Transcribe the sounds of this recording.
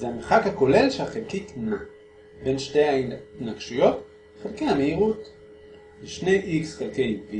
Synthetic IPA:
zeameχakhako̞le̞lʃeaχelkitna | be̞nʃte̞jhainaɡʃijo̞t | χelkejameiʁut | leʃne̞jʔiksχelkejvi

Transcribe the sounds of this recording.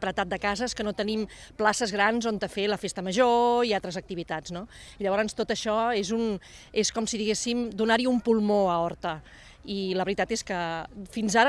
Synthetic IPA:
pɾət̪at̪̚d̪əkazəskənot̪ənimplasəzɣɾanzont̪əfeləfest̪əməʒoialˠt̪ɾəzək̚t̪iβit̪ad͡znoiʎəβ̞ɔɾənst̪ot̪əʃɔezuneskɔmsiðiɣesimd̪unaɾiumpulˠmoəɔɾt̪ə | iləβɾit̪at̪eskəfinzaɾ

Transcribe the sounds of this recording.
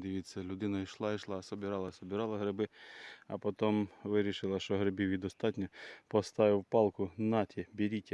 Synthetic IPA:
d̪ʲɪʋʲit͡sʲːɐlʲʊd̪ɪnɐiʃlˠɑiʃlˠɑsɔbʲɪɾɑlˠɐsɔbʲɪɾɑlˠɐɦɾɪbɪɐ̰pɔt̪ɔmʋɪɾʲiʃɪlˠɐʃt͡ʃɔɦɾɪbʲiwʋʲid̪ɔst̪ɑtʲnʲɐpɔst̪ɑʋɪwpɑlˠkʊnɑtʲʰibʲiɾʲitʲːɐ

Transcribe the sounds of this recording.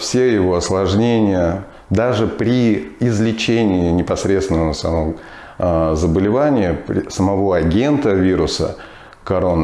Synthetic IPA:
fsʲejɪvo̞ɐslˠɐʐnʲenʲɪjə | d̪aʐɨpɾʲɪɪzlʲɪt͡ɕenʲɪɪnʲɪpɐsɾʲet̪st̪ʲɪnəəsɐ̰mo | zəbəlʲɪvanʲɪjəpɾʲɪsəmɐvo̞ɐɡʲe̞nt̪əvʲiɾʊsə̰ | kɐɾo̞nə

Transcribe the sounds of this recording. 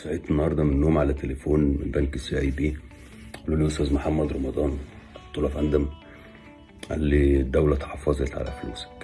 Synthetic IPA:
saʕeːt̪enːɑhɑɾˤd̪ˤɑmenːoːmʕalæt̪ːelefoːnmḛbæŋkesːiʔjbiː | ʔælːuːliːʔost̪æːzmoħamːæd̪ɾˤɑmɑd̪ˤɑːnt̪ːˤoːlɑfʔænd̪æm | ʔæ̰lːid̪ːæwlæt̪ħɑfːɑzˤet̪ʕa̰læ̰flṵːs

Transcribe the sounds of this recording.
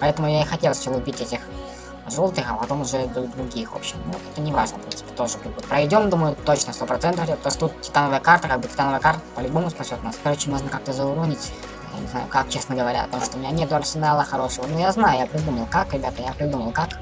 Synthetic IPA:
pɐɛt̪əmʊjaɪxɐtʲe̞lˠst͡ɕolˠʊbʲitʲɛtʲɪx | ʐolˠt̪ɨxɐpɐt̪o̞mʊʐɛd̪əd̪ɾʊɡʲixo̰pɕɪmnut̪ɛt̪ənʲɪvaʐnəfpɾinsɨ̥pʲɪ̥t̪o̞ʐɨpʲɪbut̪̚pɾɐvʲɪdʲo̞md̪uməjʊt̪ot͡ɕnəst̪o̞pɾɐt̪sɛnt̪əfɾʲɪt̪ost̪ut̪̚tʲɪ̥t̪anəvəjəkart̪əkaɡ̚bɨtʲɪ̥t̪anəvəjəkart̪əpəlʲʊbo̞mʊspɐsʲo̞t̪ʊnaskɐɾot͡ɕɪmoʐnəkak̚t̪əzəʊɾonʲɪtʲ | ja̰nʲɪ̰zna̰jʊ̰kak̚t͡ɕe̞snəɡəvɐɾʲa̰ɐ̰t̪o̞mʂt̪oʊmʲɪnʲanʲet̪d̪əɐrsʲɪnalˠəxɐɾo̞ʂəvənujaznajʊjapɾʲɪd̪uməlˠkakɾʲɪbʲat̪əjapɾʲɪd̪uməlˠkak

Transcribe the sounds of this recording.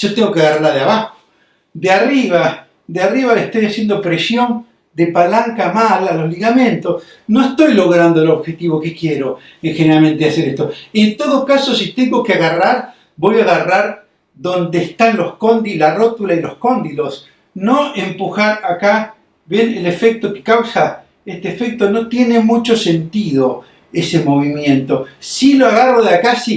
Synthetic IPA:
ʒ̥o̞t̪eŋɡo̞keaɣaraɾðeaβaxo | d̪eariβ̞a | d̪eariβ̞aleht̪o̞jasje̞nd̪o̞pɾesjo̞n | d̪epalaŋkamalalo̞zliɣamẽ̞nt̪o̞s | no̞est̪o̞jlo̞ɣɾand̪oeloβxe̞t̪iβo̞kekje̞ɾo̞ | exeneɾalme̞nt̪ease̞ɾest̪o̞ent̪o̞ðokaso̞sit̪e̞ŋɡo̞keaɣaraɾ | bo̞jaɣaraɾ | ðo̞nd̪eːst̪anlo̞sko̞nd̪ilarot̪ulailo̞sko̞nd̪ilo̞s | no̞empuxaɾaka | βjenele̞fek̚t̪o̞ke̥kawsa | est̪eːfek̚t̪o̞no̞t̪je̞ne̞mut͡ʃo̞se̞nt̪iðo̞ | e̞semo̞β̞imjẽ̞nt̪o̞siloaɣaroðakasi

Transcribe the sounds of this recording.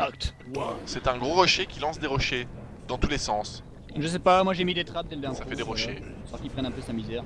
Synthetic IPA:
akt̪ | sɛt̪ɛ̃ɡʁoʁɔʃekʲilɑ̃sd̪eʁɔʃe | d̪ɑ̃t̪ulesɑ̃s | ʒəs̬ɛpamwaʒemid̪et̪χap̚d̪ɛld̪ɛ̃safɛd̪eʁɔʃe | sɔʁkʲipχɛnɛ̃pøsamizɛʁ

